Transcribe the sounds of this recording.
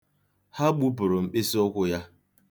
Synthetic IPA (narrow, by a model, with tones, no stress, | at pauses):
ha˦ɡ͡bu˦pʊ˨ɾʊ˨m̩˨k͡pe˦si˦ɔ˦kʷʊ˦ja˦